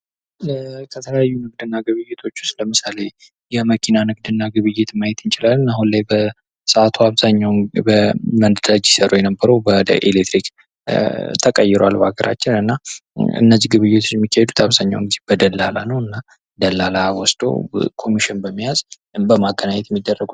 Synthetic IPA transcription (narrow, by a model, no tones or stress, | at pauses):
ləkʰət̪ʰələjajːunɨɡ̚d̪ɨnːaɡɨβɨjːɪt̪ʰo̞t͡ʃːʊ̥st̪ləmɨsale̞ | jɛməkʰinanɨɡd̪ɨnːaɡɨβɨjːɪt̪majɛt̪ɨnt͡ʃɪlalːɨnaɦunlajbə | səat̪ʰuaβzaɲːawbəmənd̪əd̪ad͡ʒɪsəɾojɛnəbːəɾəwbəd̪ə̰ʔelet̪ɾik | t̪ʰəkʼəjːɪɾo̰a̰lbaɡəɾʔa̰t͡ʃːɪnɨnːaɨ̰nːəzːihɡɨβɨjːɪt̪ʰo̞t͡ʃːɛmːikːahed̪ut̪ʰaβzaɲːa̰wɨŋɡizebəd̪əlːa̰la̰nəwɨnːa | d̪əlːalawɔsd̪o̰kʰo̞miʃɪnbəmːijaz | bəmaɡənaɲɛt̪jɛmːid̪ːərːəɡu